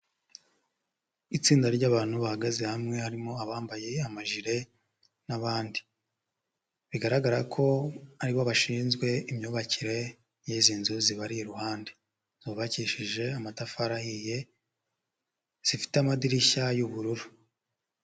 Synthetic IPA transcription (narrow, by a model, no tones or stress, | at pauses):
it͡siːndaɾɟaːβaːn̥huβahaɡazehamŋe̞haɾimo̞aβaːmbaje̞amaʒiɾe̞ | naβaːndi | βiɡaɾaɡaɾakʰo̞aɾiβoβaʃiːnzɡwe̞imɲoːβaciɾe̞ | jiziːnzuziβaɾijeɾuhaːnde | z̥oːβaciʃiʒe̞amatafaɾahije̞ | z̥ifi̥teamadiɾiçajuβuɾuɾu